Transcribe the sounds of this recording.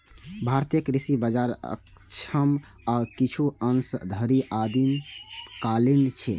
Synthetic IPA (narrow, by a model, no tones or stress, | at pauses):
bʱaɾt̪jəkɾisibəd͡ʒaɾə̰k | t͡ʃʰəm | akit͡ʃʰuənsd̪ʱəɾiʔad̪imkalint͡ʃʰɛ